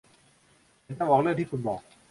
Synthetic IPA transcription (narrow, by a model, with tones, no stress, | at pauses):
t̪ɔ˥˩ŋʔɔː˨˩lɯ˥˩əŋt̪ʰiː˥˩kʰu˧nbɔː˨˩k̚